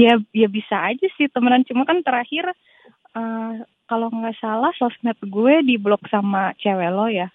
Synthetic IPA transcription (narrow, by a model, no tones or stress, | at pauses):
jajabisaːd͡ʒasɪht̪əmənant͡ʃumakant̪əɾahɪr | ʔə | kaloŋɡaʔsalahsɔsnɛt̪̚ɡuɛdiblɔk̚samat͡ʃawelɔja